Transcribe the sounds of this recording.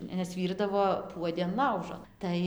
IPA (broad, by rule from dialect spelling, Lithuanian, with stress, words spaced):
nʲɛs ˈʋʲiːrdɐʋoː ˈpuɔdʲɪ ɐn ˈlˠɐʊʒoː ˈtɐɪ